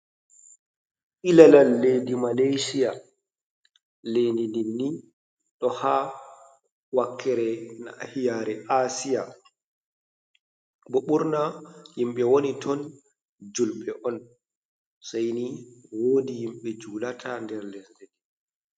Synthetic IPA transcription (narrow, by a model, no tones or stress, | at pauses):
ʔilalalːedimalajsija | lendininːi | ɗɔha | wakʰːɛɾɛnahijaːɾɛʔasija | bɔɓuɾnajimɓɛwonitʰɔn | d͡ʒulɓɛʔɔn | sajniwoːdijimɓɛd͡ʒuːlatʰandɛɾlɛnzɛdɛ